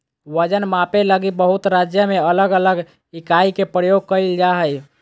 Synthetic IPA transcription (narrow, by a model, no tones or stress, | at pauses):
wəd͡ʒənmapeləɡibəɦut̪ɾad͡ʒjəmeələɡələɡ | ikaikepɾəjoɡ̚kəild͡ʒaɦəj